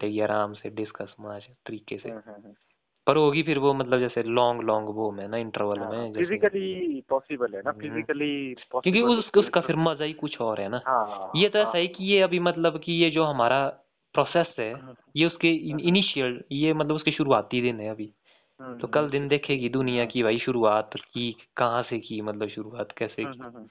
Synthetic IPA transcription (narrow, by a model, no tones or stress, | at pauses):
ʈeːɡiaːɾaːmseɖɪskəsmãːd͡ʒt̪ɐɾiːkesḛ | pɐɾɦoːɡipʰɪɾʋomɐt̪ləbd͡ʒɛːselɔ̃ːŋɡlɔ̃ːŋɡboːmɛ̃naɪ̃ɳʈəɾʋəlmẽd͡ʒɛɪzɪkəlipɔːsɪbəlɦɛnapʰɪɪkəlikːjõːkiʊsʊskapʰɪɾmɐzaikʊt͡ʃʰɔːɾɦɛnaːɦjet̪oɛːsaɦikijeɐbʱimɐt̪ləbkijed͡ʒoːɦɐmaːɾa | pɾɔːseːsɦɛː | jeʊskeɪniːʃiəljemɐt̪ləbʊskeʃʊɾuaːt̪id̪ɪnɦɛɐbʱi | t̪oːkɐld̪ɪnd̪eːkʰeɡid̪ʊnijakibʱaːiʃʊɾuaːt̪kikɐɦãsekimɐt̪ləbʃʊɾuaːt̪kɛːseki